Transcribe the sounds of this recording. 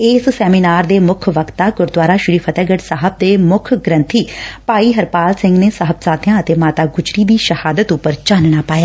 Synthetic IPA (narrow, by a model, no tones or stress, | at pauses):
eːssɛːmiːnaːɾd̪eːmʊkʰʋəkt̪aːɡʊɾd̪waːɾaːʃʊɾiːpʰət̪ɛːɡəʈsaɦəb̚d̪eːmʊkʰɡɾə̃nt̪ʰiːpaːiːɦəɾpaːlsɪ̃ŋɡneːsəɦəb̚saːt̪ɪjãːət̪eːmaːt̪aːɡʊt͡ʃɾiːd̪iːʃəhaːd̪ət̪ʊpːəɾt͡ʃãːnɽaːpaːjaː